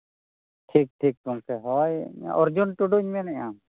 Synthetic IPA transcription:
ʈʰik̚ʈʰik̚t̪uŋkʰɛɦɔjma̰ʔɔɾd͡ʒunʈuɖuɲmɛnɛʔam

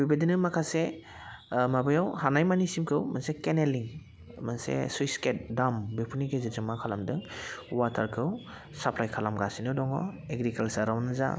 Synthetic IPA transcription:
bibadinɯmakʰase | mabɯjawhanajmanisimkʰɯwmansekeneliŋ | mansḛsujsket̚dambepʰuniɡezizɯmakʰalamdɯŋwatʰaɾkʰɯw | sapʰlajkʰalamɡasinɯdɔŋɔ̰eɡɾikalsaɾawnɯza̰

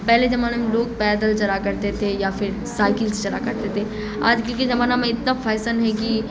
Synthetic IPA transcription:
pɛɦled͡ʒɐmaːnamẽloːɡ̚pɛːd̪əlt͡ʃɐɾakɐɾt̪et̪ʰejafɪɾ | saːɪkɪlst͡ʃɐɾa̰kɐɾt̪et̪ʰe | a̰ːd͡ʒkõked͡ʒɐmaːnamẽɪt̪nafʰɛːsənɦɛki

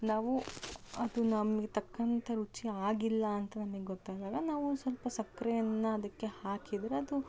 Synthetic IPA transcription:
naːʋuɐd̪unɐmɐɡet̪ɐkːɐnt̪ʰɐɾut͡ʃiaːɡilːɐːnt̪ɐnɐmɐɡeɡɔt̪ːajd̪aːɡɐnaːʋusɐlpɐsɐkːɾɐjɐnːɐɐd̪ɐkːe̞haːkid̪ɾeɐd̪u

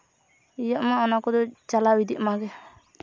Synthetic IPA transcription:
ijaʔmaɔnakɔd̪ɔt͡ʃalawid̪iʔmaɡɛ

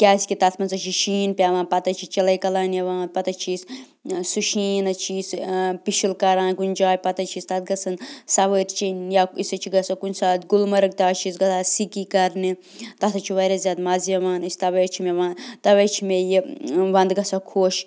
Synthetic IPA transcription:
kʲaːskit̪ɐt̪ʰmɐnzɐt͡ʃʰiʃiːnpʲaːʋãːnpɐt̪ɐt͡ʃʰit͡ʃɐlɐjkɐlaːnɐʋaːnpɐt̪ɐt͡ʃʰiːs | suʃiːnɐt͡ʃʰispiʃilkɐɾãːnkunʲd͡ʒaːjʲpɐt̪ɐt͡ʃʰist̪ɐt̪̚ʰɡɐsɐnsɐʋəɾʲt͡ʃinjaisɐt͡ʃʰiɡɐsɐkunsaːt̪ɡulmɐɾɨk̚t̪aːt͡ʃʰisɡɐsasikikɐɾni | t̪ɐt̪ʰɐt͡ʃʰiʋɐɾɐzjaːd̪mazijɐʋaːnɨsʲt̪ɐʋɐt͡ʃʰimeʋant̪ɐʋet͡ʃʰimejiʋɐnd̪ɡɐsɐkʰoːʃ

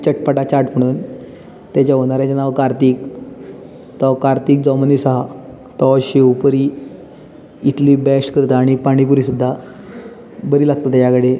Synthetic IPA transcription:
t͡ɕəʈpəʈat͡ɕaɾʈm̤əɽ̃uːn | t̪jat͡ɕaɦoñaɾjat͡ɕanaʋkaɾt̪iːk | t̪ɔkaɾt̪iːk̚d͡zɔmənisaɦa | t̪ɔɕeʋpəɾiː | t̪ʰliːbɛʂʈkəɾt̪aːɽ̃ipaɽ̃ip̬uɾisud̪ʱːa | bəɾiːlaɡ̚t̪ət̪jakəɽe

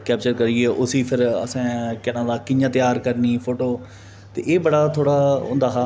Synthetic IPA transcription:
kɛːpt͡ʃəɾkəɾieːʔʊsiːpʰɪɾə̰sɛ̃ːkɛnãːd̪aːkɪjãːt̪ɪjaːɾkəɾniːpʰoːʈoː | t̪ḛːʔeːbəɽaːt̪ʰoːɽaːʊ̰̃nd̪aːɦaː

